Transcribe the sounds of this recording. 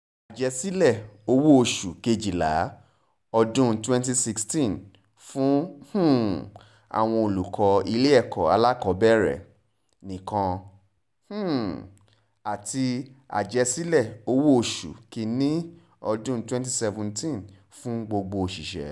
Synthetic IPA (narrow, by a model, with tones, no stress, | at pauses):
a˨d͡ʒɛ˧si˦lɛ˦˨o˧˦wo˦o˧ʃu˨ke˧d͡ʒi˨la̰˨˦ | ɔ˧dũ˦twɛ̃˦nt̬i˧si˦˧kstĩ˦˨n | fũ˦h̩˦˨ | a̰˨w̃ɔ̃˧o˨lu˨kʰɔ˨˦i˧le˦ɛ˦˨kɔ˨a˧la˦kɔ˨˦bɛ˦ɾɛ̰˨ | nĩ˨kã˧ | h̩˦˨ | a˨ti˧a̰˨d͡ʒɛ˧si˦lɛ˦˨o˧˦wo˦o˧ʃṵ˨ki˧nĩ˦ | ɔ˧dũ˦twɛ̃˦nt̬i˦sɛ˧vũ˨˧ntĩ˦˨n | fũ˦ɡ͡bo˧ɡ͡bo˧ʃi˨ʃɛ̰˨˦